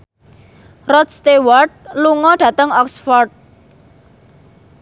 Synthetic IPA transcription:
rɔt̪st̪ewɔrʈ̪̚luŋɔɖ̥ä̤t̪əŋɔksfɔrt̚

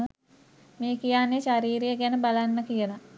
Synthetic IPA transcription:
meːkijaːnːeʃaɾiːɾejəɡænəbalanːəkijəla

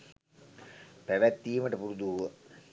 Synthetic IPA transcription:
pæʋæt̪ːiːməʈəpuɾud̪uɦuʋə

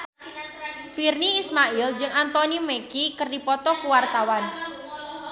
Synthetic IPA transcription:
firniːsmaild͡ʒɨŋant̪ɔnimekikərdipɔt̪ɔkuwart̪awan

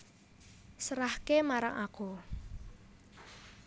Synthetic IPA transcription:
səɾahkemaɾa̰ŋʔa̰ku

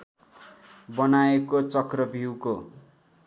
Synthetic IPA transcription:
bʌnaekot͡sʌkrʌbʱiwko

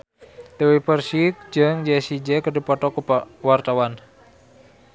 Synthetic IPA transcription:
t̪ewipərsik̚d͡ʒəŋd͡ʒɛsid͡ʒɛkədipɔt̪ɔkuwart̪awan

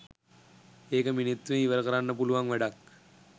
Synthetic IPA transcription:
eːkɐminet̪ːuʋeiʋɐɾkɐɾanːɐp̬uluʋaŋʋæɖak

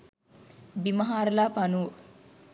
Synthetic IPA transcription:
bimɐɦaːɾɐlaːpanuː

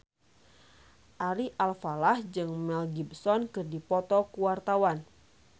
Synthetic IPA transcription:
ʔaɾiʔalfalahd͡ʒɨŋmɛlɡibsɔnkɨrdipɔt̪ɔkuwart̪awan

